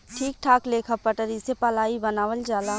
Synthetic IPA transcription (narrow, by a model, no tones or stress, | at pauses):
ʈʰiːk̚ʈʰaːkleːkʰapəʈəɾisepɐlaːibɐnaːʋəld͡ʒaːla